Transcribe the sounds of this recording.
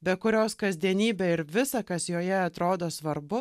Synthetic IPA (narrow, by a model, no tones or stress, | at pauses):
bʲɛkʊɾʲoːskɐzʲd̪ʲiɛnʲiːbʲɛɪɾʋʲɪsɐkɐsjoːjɛɐt̪ɾoːd̪oːsʋɐɾbʊ